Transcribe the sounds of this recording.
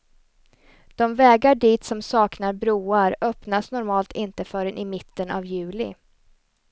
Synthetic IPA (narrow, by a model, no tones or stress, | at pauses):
d̪̥ɔmvɛːɡaɖiːt̪sɔmsɑːknaɾbɾuːaɾœpnasnɔɾmɑːlt̪ʰɪnt̪əfœːɾɛnʔɪmɪt̪ːəna̰vjʉ̟ːlɪ̰